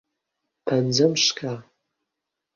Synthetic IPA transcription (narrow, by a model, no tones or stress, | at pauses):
pʰand͡zɐmʂkʰa